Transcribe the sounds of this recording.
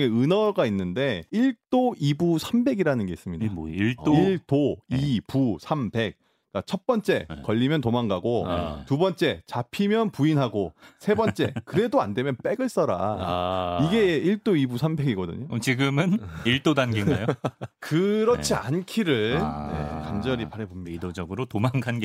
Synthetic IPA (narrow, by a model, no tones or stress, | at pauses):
eɯnʌɡainːɯnde̞iɭt͈oibusʰambe̞ɡiɾanɯnɡe̞is͈ɯmɲidaɭt͈iɭt͈oipusʰambe̞k̚ | k͈at͡ɕʰʌt̚p͈ʌnt͡ɕ͈e̞kʌʎːimjʌntomaŋɡaɡotubʌnt͡ɕ͈e̞t͡ɕapʰimjʌnpuinɦaɡosʰe̞bʌnt͡ɕ͈e̞kɯɾe̞doande̞mjʌnp͈e̞ɡɯɭs͈ʌɾa̰aiɡe̞iɭt͈oibusʰambe̞ɡiɡʌdɯ̰ɲot͡ɕiɡɯmɯniɭt͈odanɡeŋɡajokɯɾʌt͡ɕʰia̰nkʰiɾɯjḛkand͡ʑʌɾipaɾebomidod͡ʑʌɡɯɾotomaŋɡanɡe